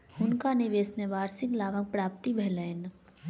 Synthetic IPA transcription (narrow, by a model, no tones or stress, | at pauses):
ʊnkanɪʋeːsmẽʋaːɾsɪklaːbʱək̚pɾaːp̚t̪ibʱɛləːn